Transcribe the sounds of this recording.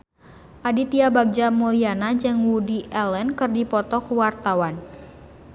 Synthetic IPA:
ʔadit̪iabaɡ̚d͡ʒamulianad͡ʒɨŋwudiʔɛlɛnkɨrdipɔt̪ɔkuwart̪awan

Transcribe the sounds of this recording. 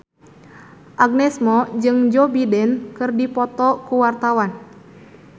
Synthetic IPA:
ʔaɡ̚nɛsmɔd͡ʒɨŋd͡ʒɔbidɛnkɨrdipɔt̪ɔkuwart̪awan

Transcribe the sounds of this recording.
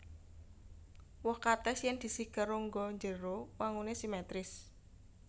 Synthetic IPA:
wɔhkat̪ɛsjɛnd̪̥i̤sihɡ̥əɾoŋɡɔɲd͡ʒəɾowaŋunesimɛt̪ɾɪs

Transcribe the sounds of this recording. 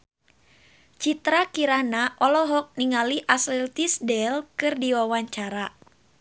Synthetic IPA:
t͡ʃit̪ɾakiɾanaʔɔlɔɦɔk̚niŋaliʔaslɛlt̪isdɛlkɨrdiwawaɲt͡ʃaɾa

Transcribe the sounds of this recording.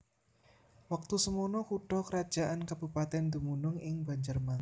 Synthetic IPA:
wak̚t̪usəmonɔkuɖ̥ɔkəɾad̥ʒ̥a̤ʔankab̥upat̪ɛnd̪umunʊŋɪŋbaɲd͡ʒərma

